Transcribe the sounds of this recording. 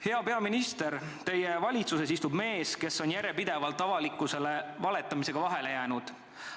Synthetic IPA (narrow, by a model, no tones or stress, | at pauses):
he̞ɑpe̞ɑminist̪e̞ɾ | t̪e̞jevɑlʲit̪suse̞s̬ist̪ub̥me̞ːske̞sːo̞njæɾjepid̪̥e̞vɑlt̪ːˑɑvɑlikːˑuse̞le̞vɑle̞t̪ːˑɑmise̞ɡ̥ɑvɑɦe̞le̞jæːnud̪̥